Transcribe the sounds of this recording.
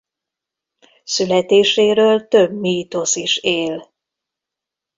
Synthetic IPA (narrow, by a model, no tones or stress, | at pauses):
sylɛt̪eːʃeːɾøːlt̪øbmiːt̪osiʃeːl